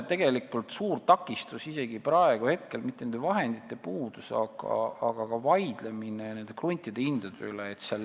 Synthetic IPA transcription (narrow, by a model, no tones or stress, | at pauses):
t̪e̞ɡ̥e̞likːˑult̪suːɾt̪ɑkːˑist̪usise̞ɡiprɑe̞ɡ̥uhe̞t̪ke̞lmit̪ːenend̪evɑɦe̞nd̪̥it̪ːˑe̞puːd̪̥usɑ̰ɡɑ̰ɑɡ̥ɑɡ̥ɑvɑjd̪̥le̞minene̞nd̪̥e̞krunʲt̪ʲˑid̪̥eind̪̥ɑd̪̥øyleːt̪sɑl